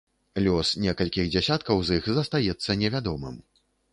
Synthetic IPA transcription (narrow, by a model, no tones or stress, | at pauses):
lʲɔsnʲɛkɐlʲkʲiɣd͡zʲɛsʲat̪kɐwzixzɐst̪ajɛt̪sːɐnʲɛvʲad̪ɔmɨ̰m